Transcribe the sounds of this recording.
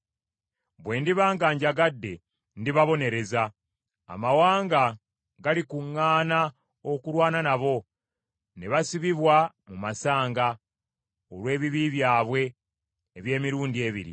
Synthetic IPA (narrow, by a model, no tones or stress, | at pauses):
βwe̞ːndiβaːŋɡaːɲɟaɡadːe̞ | ndiβaβo̞ne̞ɾe̞za̰ː | mawaːŋɡa | ɡalikuŋːaːna | o̞kuɾwaːnanaβo̞ | ne̞βasiβiβwa | mumasaːŋɡa | olwe̞ːβiβiβjaːβwe̞ː | βje̞ːmiɾuːndie̞ːβḭɾḭ